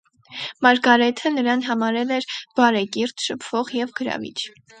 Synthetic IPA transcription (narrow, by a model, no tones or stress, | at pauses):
mɑɾɡɑɾɛt̪ʰənəɾɑnɦɑmɑɾɛlɛɾb̥ɑɾɛkiɾt̪ʰʃəpʰv̥ɔʁjɛvɡəɾɑ̰vḭt͡ʃʰ